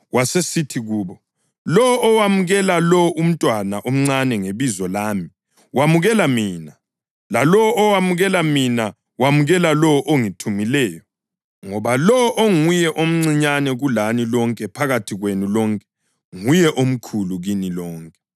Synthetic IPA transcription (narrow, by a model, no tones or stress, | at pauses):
wʔasesitʰiɣuːβɔ | lɔʔːwamuɣɛlalɔʔum̩tʼwanaʔom̩ŋ͡ǀanɛŋeβizɔlaːmi | wamuɣɛlamiːna | lalɔʔɔwamuɣɛlamina | wamuɣɛlalɔʔoŋitʰumilɛːjɔ | ŋɔβalɔʔoŋujɛʔom̩ŋ͡ǀiɲanɛɣulanilɔŋkʼɛpʰaɣatʰiɣwenulɔŋkʼɛ̥ | ŋujɛʔom̩kʰuluɣinilɔːŋkʼɛ